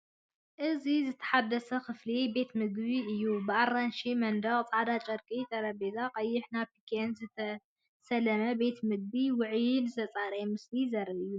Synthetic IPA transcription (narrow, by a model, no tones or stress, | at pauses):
ʔɨzizɨt̪ʰɐ̥ħad̪ːɐsɐxɨflibe̞t̪mɨɡβiʔɨjːubɨaranʃimɐnd̪ɐɣʼt͡sʼaʕd̪at͡ʃʼɐɾkʼit̪ʰʼɐɾɐbezaqʼɐjːɪħnaβpʰi̥kʰenzɨt̪ʰɐ | sɐlɐmɐbe̞t̪mɨɡ̚biwɨʕjnɨt̪ʰɐt͡sʼaɾemɨslizɐɾɐɨjːu